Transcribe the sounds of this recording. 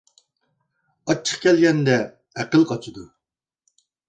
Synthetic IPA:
ɑt͡ʃʰːə̥χkʲɛlɡʲɛnd̪ɛː | qəlˠqʰɑt͡ʃʰid̪u

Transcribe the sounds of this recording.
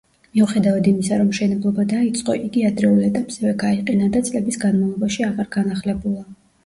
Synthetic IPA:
miuχɛd̪avad̪imisaɾɔmːʃɛnɛblˠɔbad̪ait̪sʼqʼɔʔiɡiad̪ɾɛulˠɛt̪ʼapʼsɛvɛɡaiqʼɛnad̪at̪sʼlɛbisɡanmalˠɔbaʃiaʁaɾɡanaχlɛbulˠa

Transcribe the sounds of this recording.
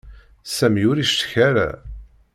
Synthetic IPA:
sæmjʊɾiʃt̪ə̥çæɾæ̰

